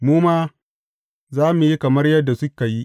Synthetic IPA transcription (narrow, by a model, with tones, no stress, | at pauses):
muː˦maː˦ | zaː˦mu˨ji˦kɐ˨mɐ˦rjɐ˦dːa˨sʊ˦ka˨ji˦ʔ